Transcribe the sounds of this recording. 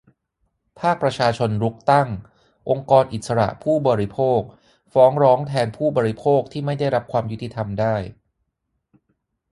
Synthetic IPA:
pʰaː˥˩k̚pɾa˧t͡ɕʰaː˧t͡ɕʰo˧nɾu˦˥k̚t̪a˥˩ŋ | ʔo˧ŋkɔː˧nʔi˨˩sa˧ɾa̰˨˩ʔpʰuː˥˩bɔː˨˧ɾi˦˥pʰoː˥˩k̚ | fɔː˦˥ŋɾɔː˦˥ŋt̪ʰɛː˧npʰuː˥˩bɔː˧ɾi˦˥pʰoː˥˩k̚t̪ʰiː˥˩ma˥˩jda˥˩jɾa˦˥p̚kʰwaː˧mju˦˥t̪ʰːi˧t̪ʰa˧mdaː˥˩j

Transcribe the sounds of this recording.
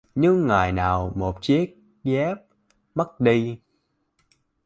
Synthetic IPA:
ɲɨ˧ŋːaː˨˩jnaː˨˩wmo˨˩t̚t͡ɕi˦˥ək̚ | ɣɛ˦˥p̚ | mə˦˥t̚ɗi˧

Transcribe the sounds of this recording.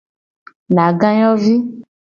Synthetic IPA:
nã˨ɡã˦jɔ˦vi˦

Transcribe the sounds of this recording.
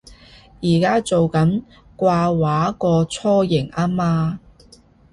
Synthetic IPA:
jiː˨˩kaː˥t͡so˨wkɐ˨˥n | kʷaː˧waː˨˥kɔː˧t͡sʰɔː˥jɪ˨˩ŋaː˥maː˧

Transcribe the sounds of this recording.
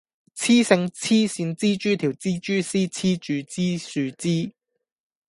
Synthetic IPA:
t͡sʰiː˥sɪ˧ŋt͡sʰiː˥siː˨˧nt͡siː˥t͡ʃyː˥t̪ʰiː˨˩wt͡siː˥t͡ʃyː˥siː˥t͡sʰiː˥t͡ʃyː˨˧t͡siː˥syː˨˧t͡siː˥

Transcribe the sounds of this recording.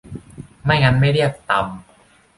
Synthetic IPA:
ma˥˩jŋa˦˧˥nma˥˩jɾi˥˩ək̚t̪a˧m

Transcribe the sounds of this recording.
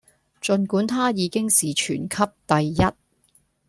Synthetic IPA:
t͡ʃɵ˨˧nkuː˨˥nt̪ʰaː˥jiː˨˧kɪ˥ŋsiː˨t͡ʃʰyː˨˩nkʰɐ˥p̚t̪ɐ˨˧jːɐ˥t̚

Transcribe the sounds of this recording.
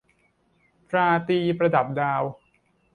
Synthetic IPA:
pʰɾaː˧t̪iː˧pɾa˧da˨˩p̚daː˧w

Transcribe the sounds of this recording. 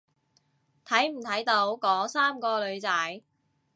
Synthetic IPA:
t̪ʰɐ˨˥jm̩˨˩t̪ʰɐ˨˥jt̪o˨˥wkɔː˨˥saː˥mkɔː˧lɵ˨˧ɥt͡sɐ˨˥j

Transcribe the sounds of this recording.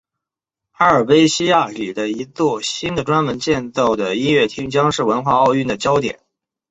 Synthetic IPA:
xa˥ə˞˨˩pe˥ɪɕi˥ja˥˩ly˨˩d̪ə˦i˧˥t͡swɔ˥˩ɕi˥nd̪ə˨ʈ͡ʂwa˥nmə˧˥nt͡ɕjɛ˥˧nt͡sɑ˥˩ʊd̪ə˩i˥nɥɛ˥˩t̪ʰi˥ŋt͡ɕjɑ˥ŋʂɻ̩˥˩wə˧˥nxwa˥˧ɑ˥˧ʊy˥˩nd̪ə˩t͡ɕjɑ˥ʊt̪jɛ̰˨˩˦n

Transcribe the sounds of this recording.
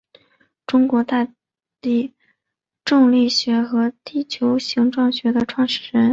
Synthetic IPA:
ʈ͡ʂʊ˥ŋkwɔ˧˥t̪a˥˧ | t̪i˥˩ | ʈ͡ʂʊ˥˧ŋli˥˩ɕɥɛ˧˥xɤ˧˥t̪i˥˩t͡ɕʰjo˧˥ʊɕi˧˥ŋʈ͡ʂwɑ˥˩ŋɕɥɛ˧˥d̪ə˧ʈ͡ʂʰwɑ˥˩˧ŋʂɻ̩˥˩ɻə˧˥n

